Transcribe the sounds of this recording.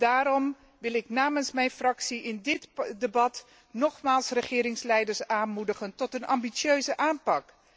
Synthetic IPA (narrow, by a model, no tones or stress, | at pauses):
daːɾɔm | ʋɪlˠɪknaːmənsmɛjnfrɑksiʔɪndɪtdəbɑt | nɔχmaːlˠsrəχɪːɾɪŋslɛjdəɹsaːnmudəχəntɔtənɑ̰mbisøɥzəʔaːnpɑk